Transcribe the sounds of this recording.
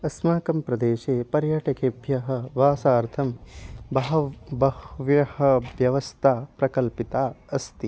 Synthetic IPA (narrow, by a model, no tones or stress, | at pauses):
ɐsmaːkɐmpɾɐd̪eːʃeːpɐɾjaːʈɐkeːbʱjɐɦɐ̆ʋaːsaːɾt̪ʰɐmbɐɦɐbɐhʋjɐhɐ̆ʋjɐʋɐst̪ʰaːpɾɐkɐlpit̪aːɐst̪i